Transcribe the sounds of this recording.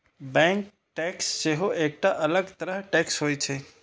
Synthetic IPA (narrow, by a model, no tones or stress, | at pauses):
bɛ̃ŋk | ʈɛksd͡ʒeɦoʔek̚ʈaʔɐləɡt̪əɾəɦʈɛksɦoːjt͡ʃʰe